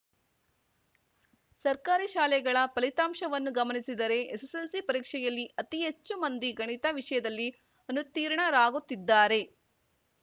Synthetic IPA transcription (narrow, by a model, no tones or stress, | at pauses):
sɐɾkaːɾiʃaːlɛɡɐɭɐpɐlit̪aːmʃɐʋɐnːuɡɐmɐnisid̪ɐɾe̞eseselsipɐɾiːkʂɛjɐlːiʔɐt̪iɦet͡ʃːumɐnd̪iɡɐɳit̪ɐʋiʂɐjɐd̪ɐlːi | ɐnut̪iːɾɐɳɐɾaːɡot̪ːid̪ːaːɾe̞